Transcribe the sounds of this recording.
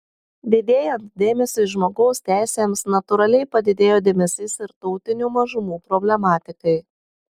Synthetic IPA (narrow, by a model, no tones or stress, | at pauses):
d̪ʲed̪ʲeːjɛnt̪̚d̪ʲeːmʲɛsʲɪːʒmoːɡɒʊsʲt̪ʲæˑɪsʲeːmsnɐt̪ʊɾɐlʲɛɪpɐd̪ʲɪd̪ʲeːjoːd̪ʲeːmʲɛsʲɪsɪɾt̪ɔʊt̪ʲɪnʲuːmɐʒʊmuːpɾɔbʲlʲɛmɑːt̪ʲɪkɐɪ